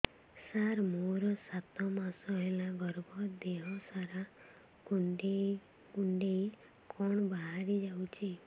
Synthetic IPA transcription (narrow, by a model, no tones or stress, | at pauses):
saɾmoɾɔsat̪ɔmasɔɦelaɡɔɾbɔd̪eɦɔsaɾa | kuɳɖe | kuɳɖei | kʰɔɳ̃baɦaɾid͡ʒawt͡ʃʰi